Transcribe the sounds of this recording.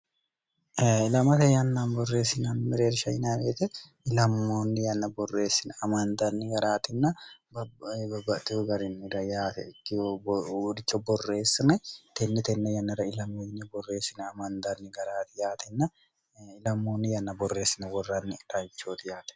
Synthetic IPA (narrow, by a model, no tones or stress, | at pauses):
ɪlɐmɐt̪ɐjɐnːaːnbɔrːe̞ːsːɪnanmɪɾeːɾʃɐɪnaːbeːt̪ɛ | ɪlɐmːoːnːɪjɐnːɐbɔrːe̞ːsːɪnɐmɐnd̪ɐnːɪɡɐɾaːt̪ɪnːɐbbɐbːɐt̪ːɪuɡɐɾɪnɾɐjaːt̪ɛkː | dɪt͡ʃːɐbɔrːe̞ːsːɪnɐt̪ɛnːɛt̪ɛnːɛjɐnːɐɾɐɪlɐmenːɪbɔrːe̞ːsɪnɐmɐnd̪ɐnːɪɡɐɾaːt̪ɪjaːt̪ɪnːɐ | ɪlɐmːoːnːɪjɐnːɐbɔre̞ːsːɪnɐwɔrːanːɪᶑɐjɪt͡ʃːoːt̪ɪjaːt̪ɛ̥